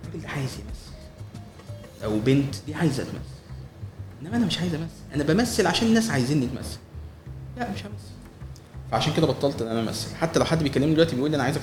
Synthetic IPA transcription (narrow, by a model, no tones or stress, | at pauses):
rˤɑɡeld̪æʕaːjezjæmæsːæl | ʔæwbent̪d̪iːʕaːjezʔæ̰t̪mʔæ̰sːælʔenːæmæʔænæmeʃʕaːjezʔæmæsːælʔæ̰næbæmæsːælʕaʃæːnenːæːsʕajeziːnːet̪mæ̰sːæ̥llæʔmeʃʔæmæsːæl | fæʕaʃæːnked̪æbet̪ˤːɑlt̪ʔenæʔænæʔæmʔæ̰sːælħat̪ːælæwħad̪ːbejkælːemnid̪elwæt̪ibeʔuːlːʔænʕajezæ